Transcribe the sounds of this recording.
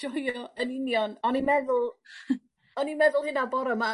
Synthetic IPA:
ɔjɔənɪnjɔnɔnimɛðʊlˠ | ɔnimɛðʊlˠhɨnabɔɾɔma

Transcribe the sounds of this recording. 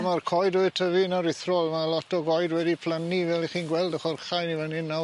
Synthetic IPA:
markʰɔjdʊɨtʰəvɪnaɾɪθrɔlˠmalˠɔtʰɔɡɔjdwɛdipʰl̥ˠanivɛlˠiχiːnɡwɛlˠdəχɔrχajnivənɪnːa

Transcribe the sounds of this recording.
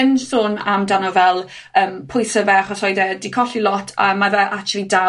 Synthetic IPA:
ɛnsʊnamdanɔvɛlˠ | əːmpʰʊjsəvɛχɔsɔjdɛdikʰɔɬilˠɔtʰa̰mavəʔakt͡ʃʰlˠida

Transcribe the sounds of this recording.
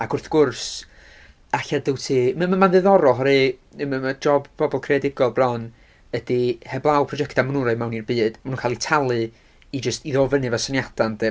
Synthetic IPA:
aɡʊrθɡ̥ʊrs | aɬadəwtʰimamamanðɨðɔɾɔɦɔɾɨməmad͡ʒɔbb̥ɔbɔlˠkʰreadɪɡɔlˠbrɔn | ədihɛblˠawpʰrɔd͡ʒɛktamnuɾaɨmawnirbɨːd̥manunkʰaːlˠitʰalˠɨ | id͡ʒəstiðoːvənɨvasanjad̥andɛ

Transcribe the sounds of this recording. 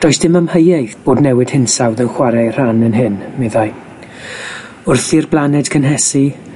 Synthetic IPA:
d̥ɔjsd̥ɪmamhəjejθb̥oːdnɛwɨd̥hɪnsawðənχwaɾajr̥anənɦɪnmeðaj | ʊrθirblˠanɛd̥kʰənɦɛsi

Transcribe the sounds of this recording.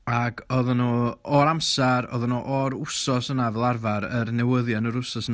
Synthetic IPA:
aɡɔðanuɔɾamsaɾɔ̰ðɔnuʔɔɾʊsɔsənavɛlˠarvaɾərnɛwəðjanəɾʊsɔsən

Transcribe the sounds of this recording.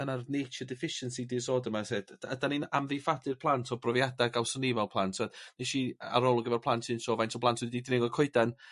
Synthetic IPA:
ənarnejt͡ʃʰədɪfɪʃənsidɪsɔːdəmasedadaninamðifadɨrpʰlˠantʰɔbrɔvjadaɡawsɔnɪvɛlˠpʰlˠantʰɔdneʃia̰ɾɔlˠɔɡəvɛrpʰlˠantʰɨnsɔvajnsʰɔblˠantʰwɨdidnɪŋɔkʰʊɨdan

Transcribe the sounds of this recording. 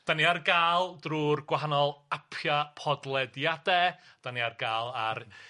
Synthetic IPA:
d̥aniarɡaːlˠdruːrɡwaɦanɔlˠapʰjapʰɔdlˠɛdjadɛ | d̥aniarɡaːlˠar

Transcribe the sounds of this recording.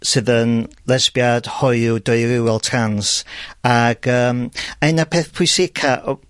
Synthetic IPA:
sɨðənlˠɛsbjad̥hɔjudɔɨɾɪwɛlˠtʰransaɡ̥əːmaɛnapʰeːθpʰʊjsɪkʰaʔ

